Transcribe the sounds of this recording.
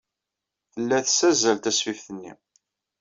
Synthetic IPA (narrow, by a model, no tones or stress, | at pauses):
θəlːæθəsæzælt̪æsfifθənːḭ